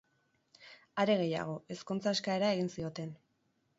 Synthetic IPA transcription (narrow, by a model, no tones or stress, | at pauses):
aɾe̞ɣe̞ja̰ɣ̞o̞ʔe̞skunt͡saːskae̞ɾae̞ɣinsio̞t̪e̞n